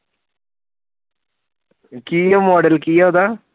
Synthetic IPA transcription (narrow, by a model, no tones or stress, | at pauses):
kiːjoːmoːɖɐlkijoːd̪a